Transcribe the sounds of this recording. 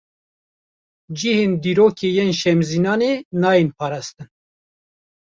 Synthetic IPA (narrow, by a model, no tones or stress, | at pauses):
d͡ʒiheːnd̪iːɾoːkʰeːjenʃɛmziːnɑːneːnɑːjenpʰɑːɾɑːst̪ɨn